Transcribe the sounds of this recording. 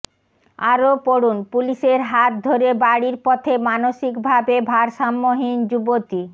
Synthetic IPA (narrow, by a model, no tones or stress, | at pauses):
aɾopoɾunpuliʃeɾɦat̪̚d̪ʱoɾebaɽiɾpɔt̪ʰemanoʃikbʱabebʱaɾʃamːoɦind͡ʑubot̪i